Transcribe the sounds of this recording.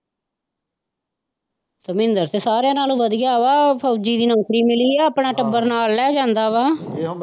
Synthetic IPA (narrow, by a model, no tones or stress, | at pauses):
t̪əmɪ̃nd̪əɾt̪eːsaːɾeãːnaːlũːʋəd̪ɪjaːʋaːpʰoːd͡ʒiːd̪iːnə̃ŋkɾiːmɪliːɛːəpɳaːʈəbəɾnaːlːɛːd͡ʒãːnd̪aːʋaː